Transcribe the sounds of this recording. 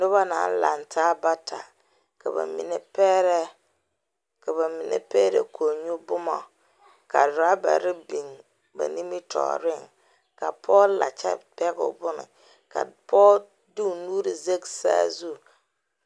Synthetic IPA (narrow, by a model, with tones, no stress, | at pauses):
nʊ˦ba˦na˨n˦la˨ntʰaː˦ba˦tʰa˨ | ka˨ba̰˨mḭ˨ne˨pɛ˦ɾɛ˦ | ka˨ba˨mi˨nʔḛ˨pe˦ɾḛ˨kʰo˨ɲu˦bʊ˦ma˨ | ka˨dʊ˨a˦ba̰˨ɾɪ˦bi˨n | ba̰˨ni˦mi˦tʰɔ̰ː˨ɾɪ˦˨ŋ | ka˨pʰɔ˦la˨t͡ʃɛ̰˦pɛ˦ɡʊ̰˨bʊ˦nɪ̰˨ | ka̰˨pʰɔ˦ | du˦˨nuː˦ɾi˨ze˦ksa̰˦zu˦˨